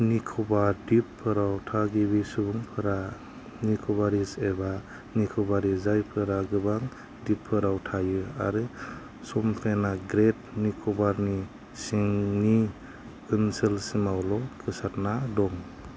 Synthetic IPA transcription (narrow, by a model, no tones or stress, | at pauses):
nikʰɔbaɾdipʰːɯɾawtʰaɡibisubuŋpʰɯɾa | nikʰɔbaɾiseba | nikʰɔbaɾizajpʰɯɾaɡɯbaŋ | dipʰːɯɾawtʰajɯa̰ɾɯ | sɔmpʰenaɡɾet̚nikʰɔbaɾni | siŋni | kɯnsɯlsimawlɔkʰɯsatnadɔŋ